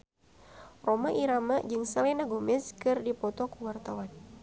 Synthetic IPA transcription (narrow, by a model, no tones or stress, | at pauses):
romaʔiɾamad͡ʒɨŋsalɛnaɡumɪskɨrdipɔt̪ɔkuwart̪awan